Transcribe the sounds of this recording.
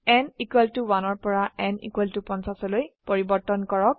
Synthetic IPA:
ɛnikwɛltuwanɔɹpɔɹaʔɛnḭkwɛltupɔnsasɔlojpoɹibɔɹtɔnkɔɹɔk̚

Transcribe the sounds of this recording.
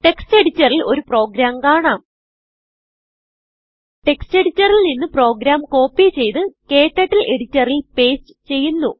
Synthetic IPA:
ʈe̞kste̞ɽit͡ɕːɐrilo̞ɾupro̞ːɡɾaːmkaːɳaːm | ʈe̞kste̞ɽit͡ɕːɐrilninːɨpro̞ːɡɾaːmko̞ːpːit͡ɕe̞jt̪ɨke̞ːʈːɐʈːilʔe̞ɽit͡ɕːɐrilpe̞ːsɨ̥t͡ɕe̞jːunːu

